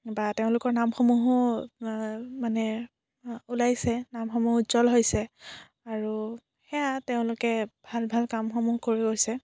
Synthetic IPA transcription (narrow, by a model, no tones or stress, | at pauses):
bateʊ̃lʊkɔɹnamxɔmuɦʊ | manɛ | ulajsɛnamxɔmuɦzɔlɦojsɛ | aɹu | xɛjateʊ̃lʊkɛbʱalbʱalkamxomuhkoɹiɡojsɛ